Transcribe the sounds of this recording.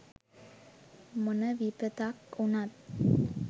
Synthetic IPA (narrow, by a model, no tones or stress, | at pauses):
mʊnɐʋipət̪aːkʊnat̪